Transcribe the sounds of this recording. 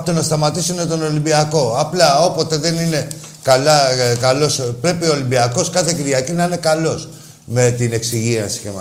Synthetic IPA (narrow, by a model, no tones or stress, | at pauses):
t̪onɐst̪ɐmɐt̪isunet̪o̞no̞limbiɐko̞ɐplɐo̞po̞t̪e̞ðe̞nine̞ | kɐlɐkɐlo̞spɾe̞pio̞ːlimbiɐko̞skɐθe̞ciɾʝɐcinɐine̞kɐlo̞s | me̞t̪ine̞ksiʝiɐnsi̥cemɐ